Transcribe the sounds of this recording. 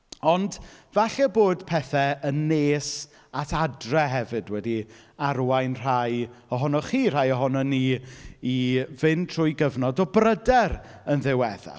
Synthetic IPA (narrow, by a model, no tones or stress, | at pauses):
ɔndvaɬɛboːd̥pʰɛθɛənːeːs | atʰadrɛɦɛvɨdwɛdiarwajnr̥ajɔɦɔnɔχiːr̥ajɔɦɔnɔniivɪntʰr̥ʊjɡəvnɔdɔbrədɛɾ | ənðɪwɛða̰